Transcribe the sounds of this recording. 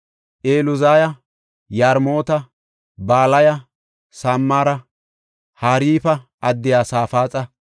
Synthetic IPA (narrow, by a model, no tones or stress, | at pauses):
ʔeːlʊzaːjɐ | jaːɾmo̞ːt̪ɐ | baːlɐjɐ | saːmːaːɾɐ | haːɾiːfɐʔɐd̪ːɪjaːsaːfaːt͡sʼɐ